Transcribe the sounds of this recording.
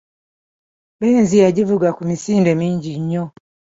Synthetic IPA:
bɛnzijaɟivuɡakumisindɛmiɲd͡ʒiɲɔ

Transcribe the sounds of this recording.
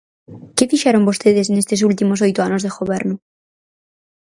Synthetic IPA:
kefiʃeɾombost̪eðesnest̪es̬ult̪imos̬ojt̪oanozðexoβeɾnʊ

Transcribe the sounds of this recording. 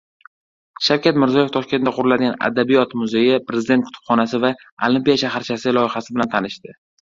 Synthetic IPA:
ʃawkʲʰat̪mɪɾzɒje̞ft̪ʰɒʃkʲe̞nd̪aqʰʊɾɪlad̪ɪɡʲana̰d̪abijɒt̪mʊzejɪpɾe̞zd̪e̞nt̪kʰʊ̥t̪ʰʊ̥pχɒnasɪva | olˠimpijaʃahaɾt͡ʃʰasɪlˠɒjɪχasɪbɪlant̪ʰanɪʃt̪ɪ

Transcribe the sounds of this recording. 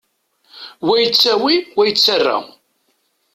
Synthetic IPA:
wæjət͡sːæwiwæjət͡sːərːa̰

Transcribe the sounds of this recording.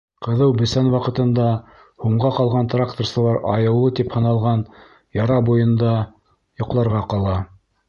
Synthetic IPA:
qɤ̆ðɤwbɵ̆sænwɑqɤ̆t̪ɤ̆nd̪ɑ | huɴʁɑqɑlˠʁɑnt̪rakt̪ŏrsɤ̆lˠɑɾɑjɤ̆wlˠɤt̪iphɤ̆nɑlˠʁɑn | jɑɾɑbujɤ̆nd̪ɑ | jŏqlˠɑɾʁɑqɑlˠɑ

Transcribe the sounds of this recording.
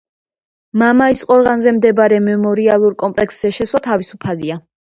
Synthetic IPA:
mamaisqʼɔɾʁanzɛmd̪ɛbɾɛmɛmɔɾialˠuɾkʼɔmpʼlɛksz̥ɛʃɛswat̪ʰavisupʰalia

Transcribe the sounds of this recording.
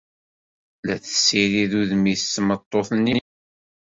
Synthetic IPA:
læθə̥sːiɾiðuðmiθːmət̪ˤːoθnːi

